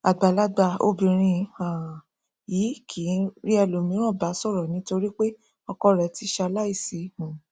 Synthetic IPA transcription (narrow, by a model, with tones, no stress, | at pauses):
a˨ɡ͡ba˨la˦ɡ͡ba˧o̰˧bĩ˨ɾ̃ĩ˧˦a˨ | ji˨˦kʰi˨˦ɾi˦ɛ˧˨lo˨mĩ˧˦ɾ̃ɔ̃˦˨ba˨˦sɔ˦˨ɾɔ˨nĩ˨˦to˧ɾi˦k͡pe˦ | ɔ˧kɔ˧˦ɾɛ˨˧˦ti˧˦ʃa˧la˦i˦˨si˨˦˨hũ˨